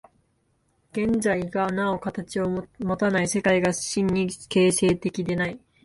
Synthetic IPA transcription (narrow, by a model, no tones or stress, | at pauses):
ɡ̥ẽ̞ɲd͡zaiɡanao̞kat̪at͡ɕio̞mo̞t̪anaise̞kaiɡḁɕĩɲːike̞ːse̞ːt̪e̞kʲid̪e̞nai